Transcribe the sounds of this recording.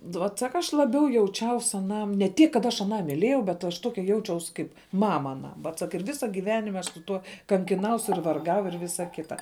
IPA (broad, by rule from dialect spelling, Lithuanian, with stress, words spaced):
ˈʋoːt ˈsɑːkɐ ˈɐʃ lˠɐˈbʲɛʊ jɛʊˈt͡ʃʲɛʊs ɐˈnɐm nʲɛ ˈtʲiɛk kɐt ˈɐʃ ɐˈnɑː mʲɪˈlʲeːjɛʊ bʲɛt ɐʃ ˈtoːkʲɛ ˈjɛʊt͡ʃʲɛʊs ˈkɐɪp ˈmɑːmɐ ɐˈnɐm ˈʋɐt ˈsɐk ɪr ˈʋʲɪsɐ ɡʲɪˈʋʲæːnʲɪmʲ ˈɐʃ sʊ ˈtuɔ kɐŋʲkʲɪˈnɐʊs ɪr ʋɐrˈɡɐʊ ɪr ˈʋʲɪsɐ ˈkʲɪtɐ